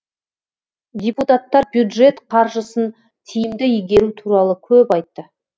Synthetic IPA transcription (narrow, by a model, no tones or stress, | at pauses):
d̪ʲeput̪at̪ːɑɾbjud̪ʒe̞t̪qʰɑɾʒəsən | t̪ʰijɪmd̪ɪijɡʲe̞ɾut̪ʰuɾɑlˠəkʲʰɵpɑjt̪ːə